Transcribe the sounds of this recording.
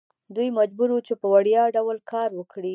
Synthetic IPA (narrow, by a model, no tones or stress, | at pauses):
d̪ujmad͡ʒbuɾut͡ʃepəwaɽjɑɖawlkɑɾwəkɽi